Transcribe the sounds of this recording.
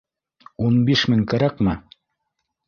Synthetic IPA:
unbiʃmɘŋkæɾæqmɘ

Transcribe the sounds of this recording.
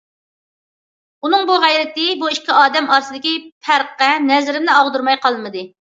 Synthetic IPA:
unɨŋbuʁæjɾɪt̪ɪbuiʃkʲʰːiɑːd̪ɛmɑɾsɨd̪ɪkʲipʰæɾqːɛnɛzɾɪmnɪɑʁd̪uɾmɑjqʰɑlˠmɨd̪ɨ

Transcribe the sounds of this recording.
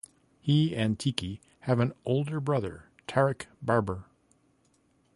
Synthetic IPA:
hiɨ̃ntʰiki | ɨvɨ̃noʊlˠdə˞bɹʌðə̰˞ | tʰɛɹɨkb̥ɑɹbə˞

